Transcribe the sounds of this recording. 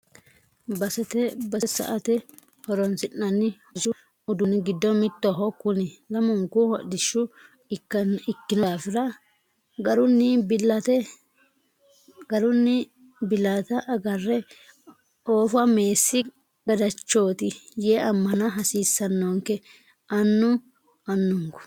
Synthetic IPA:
bɐsɛt̪ɛbɐsɐ̰ʔɐt̪ɛ | hɔɾɔnsɪnːɐnːɪhɔd͡ʒʊ | ʊd̪ʊnɪɡɪd̪ːɔmɪt̪ːɔɦɔkːʊnɪlɐmɔŋkʊhɔdɪʃːʊ | ɪkːɪnɔːfɪɾɐ | ɡɐɾʊnːɪbɪlɐt̪ɛ | ɡɐɾʊnːɪ | bɪlat̪ɐʔɐɡɐrːɛ | oːfɐme̞ːsːɪ | ɡ̥ɐd̪ɐt͡ʃːo̞ːt̪ɪjeːʔɐmːɐnɐɦɐsiːsːɐnːoŋkɛ | ʔɐnːʊ | ɐnːʊŋkʊ̥

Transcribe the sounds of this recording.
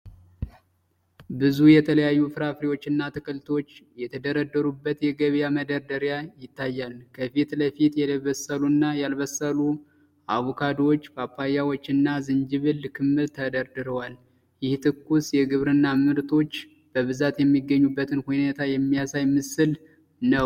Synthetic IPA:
bɨzujɛt̪ʰələjajːufɨɾafɾiwo̞t͡ʃːɨnːat̪ʰɨkʼɨlt̪ʰo̞t͡ʃːjɛt̪ʰəd̪əɾəd̪ːəɾubːət̪jɛɡəβjaməd̪əɾd̪əɾjajɪt̪ːajːalkʰəfit̪ləfit̪jɛləβəsːəlunːajalβəsəlu | ʔaβokʰad̪wot͡ʃːbapːajawot͡ʃːɨnːazɨnd͡ʒɨβɨlːkʰɨmːɨɾt̪ʰəd̪əɾd̪ɨɾəwal | jɪht̪ʰɨkːusjɛɡɨβɾɨnːamɨɾt̪ʼo̞t͡ʃː | b̥əβɨzat̪jɛmːiɡːəɲːubːət̪ʰɨnhunet̪ʰajɛmːijasajmɨsɨl | nəw

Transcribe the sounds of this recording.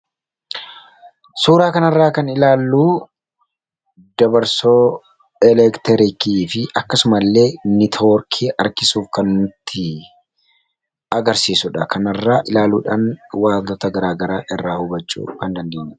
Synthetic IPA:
suːɾaːkɐnɐrːaːkɐnɪlaːlːuː | d̪ɐbɐɾsoː | ɛlɛkt̪ɛɾɪkiːfɪʔɐkːɐsʊmɐlːe̞ːnɪt̪ʰoːɾkʰeːʔɐɾkɪsuːfkɐnːʊt̪ʰːɪ | ɐɡɐɾsiːsʊᶑɐkɐnɐrːaːʔɪlaːluːᶑaːnwaːt̪ɔt̪ɐɡɐɾaːɡɐɾaːʔɛrːaːhʊbɐt͡ʃʼːṵːkɐnd̪ɐnd̪e̞ːɲːɛ

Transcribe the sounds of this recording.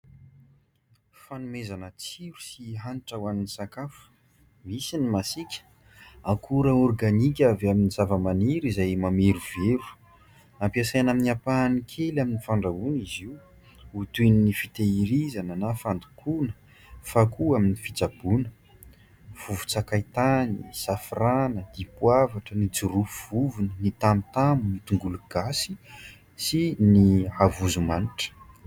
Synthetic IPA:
fanumezanət͡siɾu̥siɦanʈ͡ʂawaninisakafu̥ | misinimasikʲə̥ | akʰuɾaɔrɡanikʲavaminiz̥avəmaniɾizajmamiɾuveɾu̥ | ampiasajanaminiapanikʰelaminifaɳɖ͡ʐauniziw | ut̪ininifit̪eiɾizanənafand̪u̥kʰunə̥ | fakuaminifit͡sab̥unə | v̥uvu̥t͡sakajt̪anisafiranəd̪̥ipwavaʈ͡ʂənid͡zuɾupuv̥uvunənit̪amit̪amunit̪uŋɡuluɡ̥asi | siniavuzumaniʈ͡ʂə̥

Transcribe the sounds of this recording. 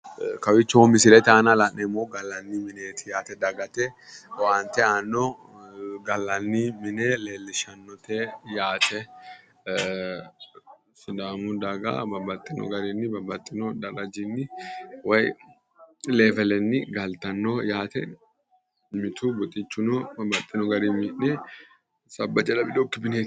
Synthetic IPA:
kɐwɪt͡ʃːomɪsɪlɛt̪aːnɐlɐnːɛmoɡɐlːɐnːɪmɪneːt̪ʰɪjaːt̪ɛd̪ɐɡɐt̪ɛwaːnt̪ɛanːɔ | ɡɐlːɐnːɪmɪneleːlːɪʃɐnːɔt̪ɛjaːt̪ʰɛ | sɪd̪aːmʊd̪ɐɡa̰bɐbɐt̪ʼːɪnɔ̰ɡɐɾɪnːɪbɐbɐt̪ʼːɪnɔd̪ɐɾɐd͡ʒɪnːɪwɐj | leːvɛlɛnːɪɡɐlt̪ɐnːɔjaːt̪ɛ | mɪt̪ubɔt̪ʼɪt͡ʃːʊnɔbɐbɐt̪ʼːɪnɔɡɐɾimɪʔnɛ | sɐbːɐt͡ʃʼːɐlɐbɪd̪okːɪbɪneː

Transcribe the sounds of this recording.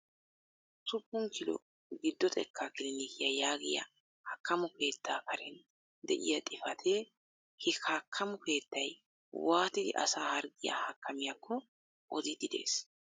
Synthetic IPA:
t̪ʊpːʊŋkʰɪlɔ̰ | ɡɪd̪ːɔt̪ʼɛ̰kʰːaːkɪlɪnikɪjɐjaːɡɪjɐ̰ | hɐkːɐmʊke̞ːt̪ːaːkɐɾɛn | d̪ɛʔɪ̰jɐt̪ʼɪfɐt̪ʰe | hɪkʰaːkʰːɐmʊke̞ːt̪ːɐj | waːt̪ɪd̪ɪ̰ʔɐ̰saːhɐɾɡɪjɐ̰hɐkːɐmɪjɐkːɔ | ʔɔd̪ɪd̪ɪd̪e̞̰ːs

